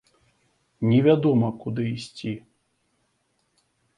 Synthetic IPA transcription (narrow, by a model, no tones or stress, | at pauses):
nʲɛvʲad̪ɔmɐkud̪ɨːsʲt͡sʲi